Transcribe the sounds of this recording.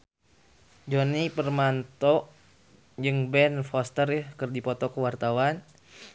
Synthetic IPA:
d͡ʒonipərmant̪ɔ | d͡ʒɨŋbɛnfɔst̪ərjəhkərdipɔt̪ɔkəwart̪awan

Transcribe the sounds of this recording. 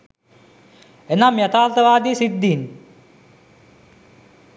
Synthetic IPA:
enamjat̪aːlt̪əʋaːd̪isid̪ːin

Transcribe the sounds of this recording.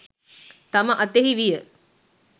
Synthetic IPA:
t̪ɐmɐʔɐt̪eɦiʋijə

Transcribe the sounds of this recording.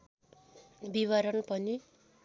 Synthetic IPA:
biβʌɾʌnpʌni

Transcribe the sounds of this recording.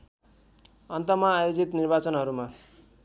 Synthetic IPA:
ʌnt̪ʌmaːjod͡zit̪nirbat͡sʌnɦʌɾuma

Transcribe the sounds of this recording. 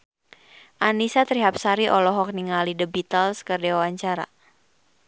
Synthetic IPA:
ʔanisat̪ɾiɦap̚saɾiʔɔlɔɦɔk̚niŋalidəbit̪alskərdɛwawaɲt͡ʃaɾa̰

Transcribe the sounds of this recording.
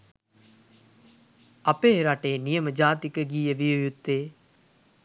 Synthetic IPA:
ɐpeːɾaʈeːnijəməd͡ʒaːt̪ikəɡiːjəʋijojut̪ːeː

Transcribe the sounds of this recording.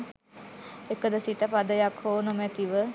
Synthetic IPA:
ekəd̪əsit̪əpad̪əjakhoːnomæt̪iʋə

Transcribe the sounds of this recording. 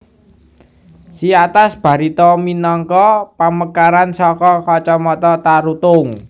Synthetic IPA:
siat̪asb̥a̤ɾit̪ɔminɔŋkɔpaməkaɾansɔkɔkɔt͡ʃɔmɔt̪ɔt̪aɾut̪ʊŋ

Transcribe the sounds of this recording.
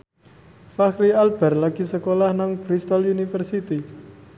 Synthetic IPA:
faxɾialb̥ɛ̤rlaɡ̥i̤səkolahnaŋkɾist̪ɔlunifərsit̪i

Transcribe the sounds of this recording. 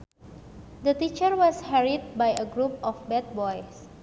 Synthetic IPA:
d̪ət̪it͡ʃərwɔshɛɹit̪̚bajəɡɾup̚ɔfbɛt̪̚bɔjs

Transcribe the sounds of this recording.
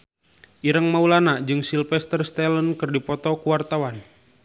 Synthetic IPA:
ʔiɾəŋmaulanad͡ʒɨŋsilfɛst̪ərst̪ɛlənkɨrdipɔt̪ɔkuwart̪awan

